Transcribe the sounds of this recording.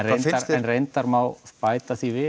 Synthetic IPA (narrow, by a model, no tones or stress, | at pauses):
enaɾɛnrejnt̪aɾmawθpajt̪aθivɪː